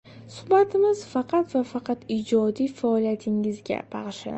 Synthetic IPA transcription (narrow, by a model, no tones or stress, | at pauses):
sʊ̥hbat̪ʰɪmɪzfɑqʰɑt̪vafɑqʰɑt̪id͡ʒɒd̪ijfaɒlijat̪ʰɪŋɪzɡʲa̰b̥ɑʁɨʃa̰